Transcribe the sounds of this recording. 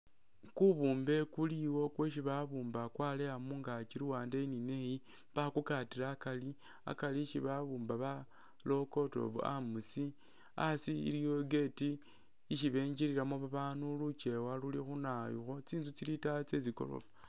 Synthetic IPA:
kuβuːmbe̞kuliwo̞kweʃ̬iβaβuːmbakwalejamuːŋɡat͡ʃiɾuwaːndeininehi | βakukatilaːkali | a̰kaliʃiβaβuːmbaβa | lo̞ko̞to̞̰βṵa̰musi | asiḭɾijo̞ɡe̞tiː | ʃiβe̞ːɲɟiɾiɾamoβaβanulut͡ʃe̞walulixunajṵxo̞t͡siːnzut͡silitat͡seziko̞̰lo̰fa

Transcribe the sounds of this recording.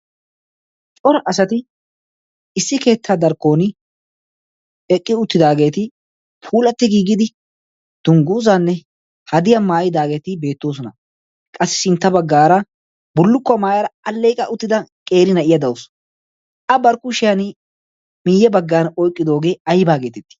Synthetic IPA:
t͡ʃʼɔɾɐʔɐsɐt̪ɪ | ɪsːɪke̞ːt̪ʰːaːd̪ɐɾkːo̞ːnɪ | ɛkʼːɪʊt̪ːɪd̪aːɡe̞ːt̪ɪ | pʰuːlɐt̪ːɪɡiːɡɪd̪ɪ | d̪̥ʊŋɡuːzanːɛ | hɐd̪ɪjɐmaːjɪd̪aːɡe̞ːt̪ɪbe̞ːt̪ːoːs̬ɔnɐ | kʼɐsːɪ̥sɪnt̪ːɐbɐɡːaːɾɐ | bʊlːʊkːɔmaːjɐɾɐɐlːeːkʼɐʔʊt̪ːɪd̪ɐkʼe̞ːɾɪnɐʔɪjɐd̪ɐwʊs | ʔɐbɐɾkʊʃɪjɐnɪ | mɪjɛbɐɡːaːnɔjkʼːɪd̪o̞ːɡe̞ːɐjbaːɡe̞ːt̪ɛt̪ːɪ̥

